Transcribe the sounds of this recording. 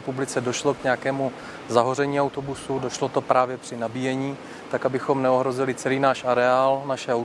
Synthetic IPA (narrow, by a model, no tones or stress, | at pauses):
publɪt͡sɛdo̞ʃlo̞kɲɛjakɛːmu | zaɦorɛɲiːawt̪o̞busudo̞ʃlo̞t̪o̞pɾʔaːvjɛpr̝̥ɪnabijɛɲiː | t̪akabɪxo̞mnɛo̞ɦɾo̞zɪlɪt͡sɛliːnaːʃaɾɛaːlnaʃɛaw